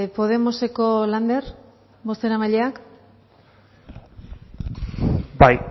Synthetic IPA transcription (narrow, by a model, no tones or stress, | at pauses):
po̞ð̞e̞mose̞ko̞land̪e̞r | bo̞st̪e̞ɾamaʎe̞ak | baj